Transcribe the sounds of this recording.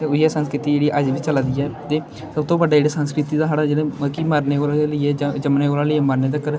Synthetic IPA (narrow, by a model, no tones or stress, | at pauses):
t̪eːʊiɛːsənskɾɪt̪iːd͡ʒeːɽiːʔəd͡ʒʋiːt͡ʃəlad̪iːɛːt̪eː | səbt̪õːbəɖaːd͡ʒeːɽaːsənskɾɪt̪iːd̪aːɦaɽaːd͡ʒeɽẽːəkiːmaːɾneːoːlaləiːɛːd͡ʒəmneːoːlaːləiːɛːmaːɾneːd̪aːkːəɾ